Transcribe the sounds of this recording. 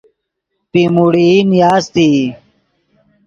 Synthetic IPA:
pimuɽinjaːst̪i

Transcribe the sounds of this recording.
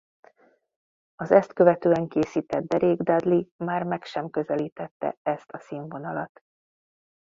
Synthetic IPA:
ɒzɛst̪kø̞vɛt̪øːɛŋkeːsiːt̪ɛd̪̚d̪ɛɾeːɡd̪ad̪limaːrmɛkʃɛmkø̞zɛliːt̪ɛt̪ːɛ̰ɛst̪ɒsiːɱvo̞nɒlɒt̪

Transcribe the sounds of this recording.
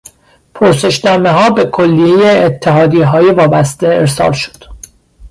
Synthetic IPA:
pʰoɾse̞ʃd̪ɒːmeɦɒːbe̞kʰo̞lːijejeːt̪ʰːeɦɒːd̪iːɦɒːjevɒːbæst̪e̞eɾsɒ̰ːlʃo̥d̪̥

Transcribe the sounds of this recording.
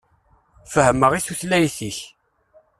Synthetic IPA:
fəhəməʁisuθlæjθiç

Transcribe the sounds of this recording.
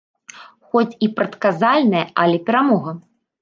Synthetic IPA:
xɔt͡sʲipɾɐt̪kazalʲnɐjɛʔɐlʲɛpʲɛɾamɔɣɐ

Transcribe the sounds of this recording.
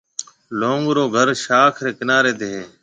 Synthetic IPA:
loːŋɡɾoːɡʱəɾʃaːkʰɾeːkɪnaːɾeːd̪eːɦeː

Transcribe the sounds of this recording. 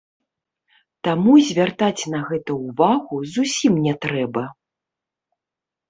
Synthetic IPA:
t̪amuzʲvʲart̪at͡sʲnɐɣɛt̪ɐuvaɣuzusʲimnʲɛt̪ɾɛbɐ

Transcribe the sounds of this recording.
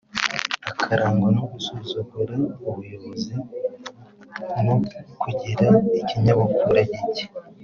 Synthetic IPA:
akʰaɾaːŋɡonoɡusoːzoɡoɾauβujoβozi | nokuɟiɾaiciɲaβakuɾaɟici̥

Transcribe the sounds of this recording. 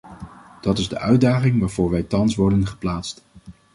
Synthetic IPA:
d̥ɑtɪzdə̰ʔœɥdaːχɪŋʋaːɹvʊːɹʋɛjtɑnsʋɔɹdənχə̥plaːtst

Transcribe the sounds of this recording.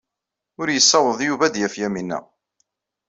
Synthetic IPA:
ʊɾjəsːɑwəðˤjuvæd̪jæfjæminːæ̰

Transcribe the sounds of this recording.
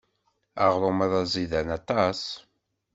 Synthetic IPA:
aʁɾˤomɑðˤɑzˤiðænɑt̪ˤɑs

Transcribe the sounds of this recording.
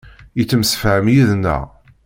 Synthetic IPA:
jət͡sːəmsə̥fʕəmjiðnːə̰ʁ

